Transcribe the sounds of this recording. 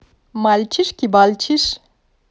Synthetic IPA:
malt͡ʃʰiʂkibalt͡ʃʰiʂ

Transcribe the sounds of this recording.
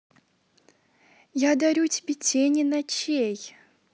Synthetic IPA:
jad̪ɐɾʲutʲɪbʲetʲenʲɪnɐt͡ɕej

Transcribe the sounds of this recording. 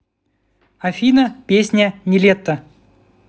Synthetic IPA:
ɐfʲinəpʲesʲnʲənʲɪlʲet̪ːə

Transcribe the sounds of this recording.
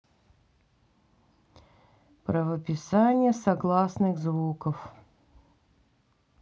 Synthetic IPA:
pɾəvəpʲɪsanʲɪjəsɐɡlˠasnɨɣzvukəf

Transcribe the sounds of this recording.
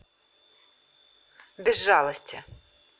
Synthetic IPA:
bʲizːɑlˠɔsʲtʲɐ

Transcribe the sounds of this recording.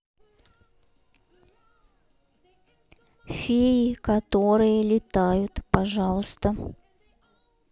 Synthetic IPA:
fʲeɪkɐt̪o̞ɾɨjəlʲɪt̪ajʊt̪pɐʐɑlˠəst̪ə

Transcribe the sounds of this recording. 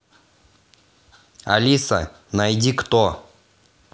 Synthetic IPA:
ɐ̰lʲisɐ̰ | nɐjdʲikt̪o

